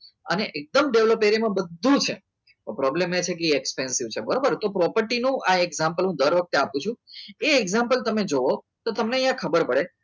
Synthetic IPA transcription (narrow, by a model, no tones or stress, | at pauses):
ə̰neʔek̚d̪əmɖeʋlopeɾimãbəd̪ʱːũt͡ʃʰe | pɾɔblemet͡ʃʰekliekspensiʋt͡ʃʰebəɾobəɾt̪opɾɔpəɾʈinũʔaeɡzãmpəlɦũd̪əɾʋək̚t̪eapũt͡ʃʰũeɛɡzãmpəlt̪əmed͡ʒoʋo | t̪ot̪əmneəjãkʰəbəɾpəɭe